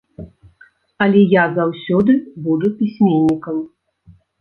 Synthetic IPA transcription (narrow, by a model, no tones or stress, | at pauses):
ɐlʲɛjazawsʲɔd̪ɨbud̪upʲisʲmʲenʲːikɐm